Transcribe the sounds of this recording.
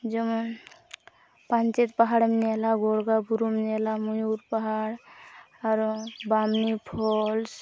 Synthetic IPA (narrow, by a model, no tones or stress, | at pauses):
d͡ʒəm | pant͡ʃet̪paɦaɽmnelaɡoɽɡabuɾumnelamujuɾpaɦaɽ | aɾbamnipʰols